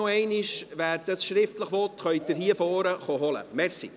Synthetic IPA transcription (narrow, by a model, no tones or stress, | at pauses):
oɛɪnɪʃʋæːɾd̥əsʃɾɪftləχʋɔtχœʏdɪɾhiəfɔːɾəχoɦɔlə̰mɛɾsḭ